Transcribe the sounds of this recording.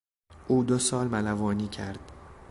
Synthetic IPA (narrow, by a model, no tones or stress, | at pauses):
ʔuːd̪osɒːlmælævɒːniːcʰæɾd̪̥